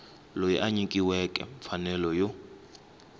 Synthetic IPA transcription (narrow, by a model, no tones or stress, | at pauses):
lojiʔaɲikʼiwɛkʼɛ̰ɱfanɛlɔjo